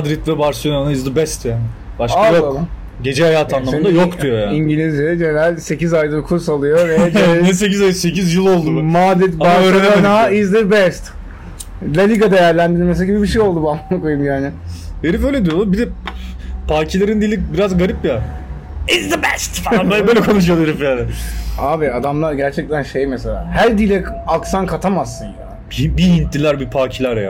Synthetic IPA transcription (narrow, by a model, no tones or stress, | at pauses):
ad̪ɾit̪vɛbaɾsonanaizd̪ɯbɛst̪jaːnɪ | baʃkaajokaam | ɟe̞d͡ʒɛhajaːt̪ʰanlˠammnd̪ajokd̪ijo̞jaːiɲɟilʲizjed͡ʒenɾælʲse̞cizajd̪ɯkʰuɾs̬alˠɯjovɛd̪ɛsecizajɯse̞cʰizjɯlˠo̞lˠd̪umad̪ɾit̪baɾelonaizd̪ɯbɛst̪ | lʲalʲiɡad̪e̞jæɾlʲænd̪iɾd̪ʲimes̬aɟibibiʃ̬ejo̞lˠd̪ubanaakojumjaːnɪeɾiføjlʲed̪ijolubid̪ɛ | pʰaːcʰilʲeɾind̪ilʲibiɾazɡaɾipja | ɪzd̪əbɛst̪faabæbøːlʲɛkʰonuʃ̬ɯjolˠeɾifjaːnɪaːbiad̪amlˠaɾɟæɾt͡ʃʰɛc̚t̪ʰænʃejmeselʲa̰ːhæɾd̪ilʲɛaksankʰat̪ʰamasːɯnja | ibiint̪ːʲilʲæɾbipʰaːcʰilʲæɾja̰